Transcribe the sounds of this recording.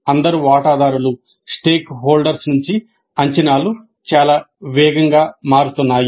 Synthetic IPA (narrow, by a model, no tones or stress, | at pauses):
ɐnd̪ɐɾuʋaːʈaːd̪ʱaːɾulu | sʈeːkɦoːlɖɐɾsnuɲt͡ʃi | ɐɲt͡ʃɐnaːlu | t͡ʃaːlaː | ʋɛːɡɐŋɡaːmaːɾut̪unːaːju